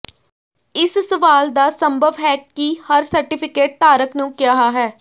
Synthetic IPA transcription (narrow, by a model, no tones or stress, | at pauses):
ɪssəʋaːld̪aːsəmbʱəʋɦɛːkihəɾsəɾʈɪpʰɪkeːʈ̚t̪aːɾəknũːkjaːɦaːɦɛː